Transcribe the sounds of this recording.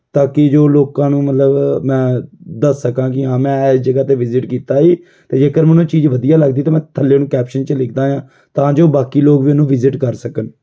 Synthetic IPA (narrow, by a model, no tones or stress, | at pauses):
t̪ãːkɪd͡ʒoːloːkãːnũːmət̪ləbmɛ̃ːd̪əsːəkãːk̬ɪɦãːmɛ̃ːɛːsd͡ʒəɡaːt̪eːʋɪzɪʈkiːt̪aːiː | t̪eːd͡ʒeːkəɾmɛ̃ːnũːt͡ʃiːd͡ʒʋəd̪ijaːləɡd̪iːt̪aːmɛ̃ːt̪ʰəlːeːnũːkɛːpʃənt͡ʃəlɪkʰd̪ãːjãː | t̪ãːd͡ʒoːbaːkiːloːɡʋiːənũːʋɪzɪʈkəɾsəkən